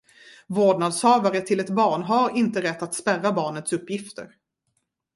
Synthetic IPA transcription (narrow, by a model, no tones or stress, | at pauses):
voːɖɳad̪shœːvaɾət̪ʰɪlɛt̪bɑːɳɦaɾɪnt̪əɾɛt̪ːat̪spærːabɑːɳət̪sɵpːjɪft̪ə̰ɾ